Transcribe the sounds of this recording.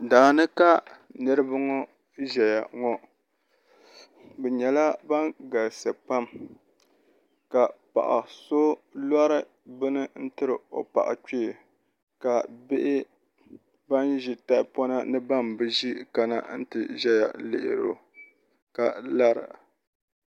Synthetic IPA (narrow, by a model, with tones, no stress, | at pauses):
daː˨nɨ˦ka˦nɨ˦ɾɨ˦ba˦ŋɔ˦ | ʒɛ˨ja˨ŋɔ˦ | bɛ˨ɲɛ˨la˦ba˦ŋɡa˨lsa˨pa˦m | ka˨pa̰˨ʔa̰˨so˦la˦ɾɨ˦ | bɨ˦nɨ˦n̩˦tɨ˦ɾɨ˨o̰˨pa̰˨ʔa̰˨t͡ʃeː˦˨ | ka˨be˦ʔɪ˦ | ba˦nʒi˨ta˦pɔ˦na˦nɨ˦ba˦mbɨ˦ʒi˦ka˦na̰˦n̩˦tɨ˨ʒɛ˦ja̰˨lɪ̰˨ʔɪ˨ɾo̰˨ | ka˨la˦ɾɨ̰˨